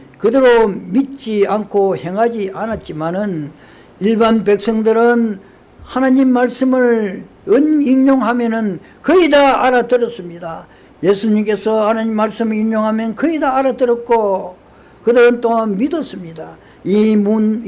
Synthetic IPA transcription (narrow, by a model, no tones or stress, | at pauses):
kɯdɯɾomit̚t͡ɕ͈iankʰohe̞ŋɦad͡ʑiʔanat̚t͡ɕ͈imanɯn | iɭbanp̬e̞k̚s͈ʌŋdɯɾɯn | hanaɲimːaɭs͈ɯmɯɭ | ɯniɲɲoŋɦamjʌnɯn | kɯidaːɾadɯɾʌs͈ɯmɲida | je̞sʰuɲimk̬͈e̞sʰʌhanaɲimːaɭs͈ɯmɯɾiɲɲoŋɦamjʌnkʰɯidaːɾadɯɾʌk͈ʰo | kɯdɯɾɯnt͈oŋanmidʌs͈ɯmɲida | imun